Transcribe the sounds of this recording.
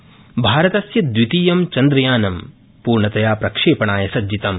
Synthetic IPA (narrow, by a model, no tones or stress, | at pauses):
bʱaːɾɐt̪ɐsjɐd̪wit̪iːjɐmt͡ʃɐnd̪ɾɐjaːnɐm | puːɾɳɐt̪ɐjaːpɾɐkʂeːpɐɳaːjɐsɐd͡ʒit̪ɐm